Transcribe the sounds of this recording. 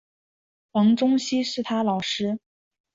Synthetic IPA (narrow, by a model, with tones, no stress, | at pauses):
wɑ˧˥ŋʈ͡ʂʊ˥ŋɕi˥ʂɻ̩˥˩t̪ʰa˥lɑ˨˩ʂɻ̩˥